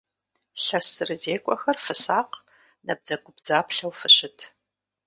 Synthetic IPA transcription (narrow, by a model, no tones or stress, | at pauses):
ɬɐsɨrɨzeːkʷʼɔxɐrfɨsaːq | nɐb̚d͡zɐɡʷʼʊbd͡zaːpɬɐwfɨɕɪtʰ